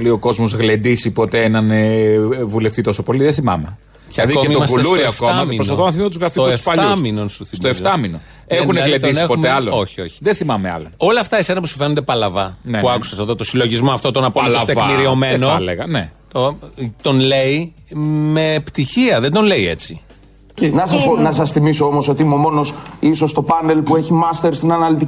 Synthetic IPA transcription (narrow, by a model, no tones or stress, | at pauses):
lio̞ko̞zmo̞zɣlend̪isipo̞t̪eenɐnevule̞ft̪it̪o̞so̞po̞liðeθimɐ̰me | cɐðioeitoɐsuelsuɾiɐftkoɐɐmipɾonspɐθonɐθimmst̪uzɣɾɐfioesffɐʎt̪ɐminonsuθistmt̪oeft̪ɐmino | exuneɣled̪oisniexpoumeɐloo̞çio̞çi̥ðeθimɐmeɐ̰loo̞lɐːft̪ɐese̞nɐpusu̥fenod̪e̞pɐlɐvɐnepuɐku̥sɐseðo̞t̪o̞silo̞ʝizmoɐft̪o̞t̪o̞nɐpooɐst̪evmiɾio̞me̞noleɣɐnet̪ot̪o̞nle̞i | me̞pt̪içiɐðed̪onle̞ie̞t͡si | nɐsɐsonɐs̬ɐsθimisoomoso̞t̪iimumo̞no̞siso̞st̪o̞pɐne̞lpueçimɐst̪e̞ɾst̪inɐnɐlit̪i